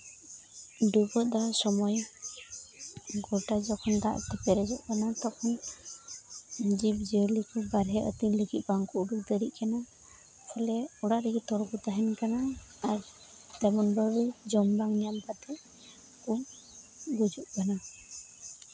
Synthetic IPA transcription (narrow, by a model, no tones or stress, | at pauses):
ɖubɔt̪̚d̪asɔmɔj | ɡɔʈad͡ʒɔkʰɔnd̪aʔt̪ɛpɛɾɛd͡ʒɔʔkanat̪ɔkʰɔn | d͡ʒib̚d͡ʒəlikɔbaɾɦɛʔə̰t̪iŋləɡit̪̚baŋkɔuɽuk̚d̪əɾiʔ̪̚kana | pʰɔlɛɔɽaʔɾɛɡit̪ɔɾɔɡut̪aɦɛnkanaːɾ | d̪abɔnbabɛd͡ʒɔmbaŋɲampat̪ɛ | ku | ɡud͡ʒuʔkana